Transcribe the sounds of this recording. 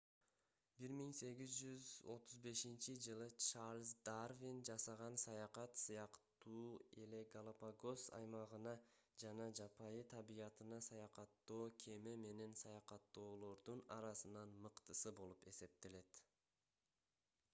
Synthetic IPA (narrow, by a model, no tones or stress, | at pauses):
biɾmiŋse̞ɡizd͡ʒyzo̞t̪ʰuzbe̞ʃint͡ʃid͡ʒɯlˠɯt͡ʃaɾlʲzd̪arvʲind͡ʒɑsɑʁɑnsɑjɑqɑt̪sɯjɑqt̪uːe̞le̞ɡalˠapaɡo̞sɑ̰jmɑʁɯnɑ | d͡ʒɑnɑd͡ʒɑpʰɑjɯt̪ʰɑbijɑt̪ɯnɑsɑjɑqɑt̪ːo̞ːkʲʰe̞me̞me̞ne̞nsɑjɑqɑt̪ːo̞ːlˠo̞ɾd̪unɑ̰ɾɑsɯnɑnmɯqt̪ɯsɯbo̞lˠupe̞se̞p̚t̪e̞le̞t̪